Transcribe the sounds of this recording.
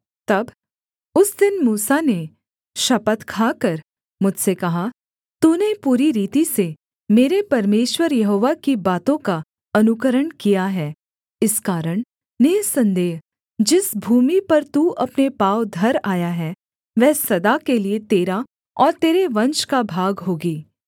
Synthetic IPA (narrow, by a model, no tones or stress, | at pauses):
t̪ɐb | ʊsd̪ɪnmuːsane | ʃɐpət̪kʰaːkɐɾ | mʊd͡ʒʱsekɐɦa | t̪uːnepuːɾiɾiːt̪ise | meːɾepɐɾmeːʃwəɾjɐɦoːʋakibaːt̪õka | ɐnʊkəɾəɽ̃kijaɦɛː | ɪskaːɾəɽ̃ | neːsɐ̃nd̪eːɦ | d͡ʒɪsbʱuːmipɐɾt̪uːɐpnepaːwd̪ʱɐɾaːjaɦɛ | ʋɛɦsɐd̪akeliet̪eːɾa | ɔːɾt̪eːɾeʋɐ̃nʃkabʱaːɡɦoːɡiː